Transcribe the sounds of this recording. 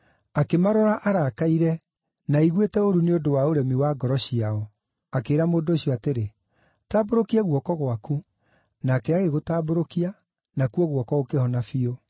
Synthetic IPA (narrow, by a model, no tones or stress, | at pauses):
akemaɾɔɾaʔaɾakaiɾɛ | naiɣwetɛoɾuneodowaoɾɛmiwaːɡɔɾɔɕiaɔ | akeːɾamoːndoɕiɔateɾe | taːboɾokiaɣwɔkɔɣwaku | nakɛaɣeɣotaːboɾokia | nakuɔɣwɔkɔɣokehɔnafio